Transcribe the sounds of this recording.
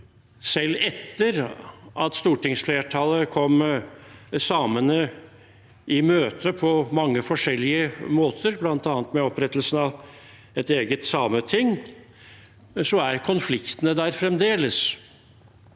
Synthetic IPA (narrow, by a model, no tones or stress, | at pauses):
sɛlːɛt̪ʰːəɾʔɑt̪st̪uːʈɪŋsfleːʈʰɑləkʰɔm | sɑːmənə | ʔɪmøːt̪ʰəpʰɔmɑŋːəfɔʂɛlːɪəmoːt̪ʰəɾblɑnt̪ɑːnt̪mɛɔpɾɛt̪ːəlsnɑʋ | ɛt̪eːɡət̪sɑːmət̪ʰɪŋː | sɔæɾkʰʊnflɪkt̪ənəd̪æːɾfɾɛmd̪eːləs